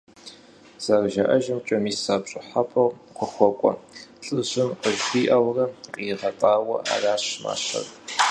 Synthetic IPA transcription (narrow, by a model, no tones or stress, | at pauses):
z̥ɐrʒɐʔɐʒɪmt͡ʃʼɐmiːsaːpɕʼɪħapʼɐwqʰʷʊxʷɔkʷʼɔ̰ɬʼɨʑɪnqəʒɡʷiːʔɐwrɐqʼiːʁɐtʼaːwɐʔa̰ːraːɕma̰ːɕɐ̰r